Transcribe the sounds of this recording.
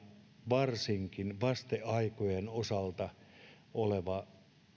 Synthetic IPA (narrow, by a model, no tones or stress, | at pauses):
ʋɑrsiŋkinʋɑst̪eɑikojenosɑlt̪ɑ | oleʋɑ